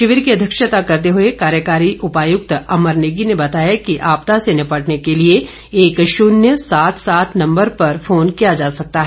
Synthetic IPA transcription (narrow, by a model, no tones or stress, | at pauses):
ʃɪʋɪɾkiɐd̪ʱjəkʃət̪akɐɾt̪eɦʊekaːɾjəkaːɾiʔʊpaːjʊk̚t̪ɐməɾneːɡinebɐt̪aːjakiʔaːpt̪asenɪpɐʈnekelie | eːkʃʊnjəsaːt̪ʰsaːt̪ʰnɐ̃mbəɾpɐɾfʰoːnkijad͡ʒaːsɐk̚t̪aɦɛ